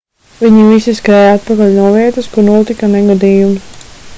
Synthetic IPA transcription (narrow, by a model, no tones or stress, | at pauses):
viɲivisiskɾɛjat̪̚pakaʎʲnuɔviɛt̪ɐskuɾnuɔt̪ikanɛɡad̪iːjum